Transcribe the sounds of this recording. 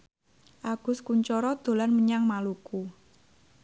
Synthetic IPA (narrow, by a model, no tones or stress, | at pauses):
ʔaɡ̥ʊ̤skuɲt͡ʃɔɾɔd̪̥o̤lanməɲaŋmaluku